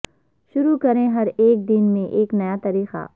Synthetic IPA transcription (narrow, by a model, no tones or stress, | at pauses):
ʃʊɾukɐɾẽɦɐɾeːk̚d̪ɪnmẽʔeːknɐjat̪ɐɾiːxa̰ː